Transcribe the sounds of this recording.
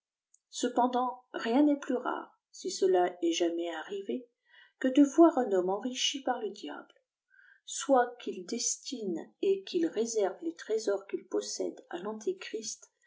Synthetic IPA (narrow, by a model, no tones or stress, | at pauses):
səpɑ̃d̪ɑ̃ʁjɛ̃nɛplyʁa̰ʁ | sisəlaɛʒamɛaʁive | kəd̪əvwaʁɛ̃nɔmɑ̃ʁiʃipaʁləd̪ja̰bl | swakild̪ɛst̪inekʲilʁezɛʁvlet̪χezɔʁkilpɔsɛ̰d̪a̰lɑ̃t̪ʰikχist̪